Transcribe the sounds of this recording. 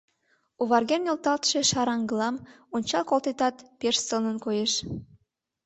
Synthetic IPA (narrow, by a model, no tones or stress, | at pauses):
uβɑrɣenjolt̪ɑlt̪ʃeʃɑɾɑŋɡəlɑm | onʲt͡ɕɑlˠkolt̪et̪ɑt̪peʃsənənkojeʃ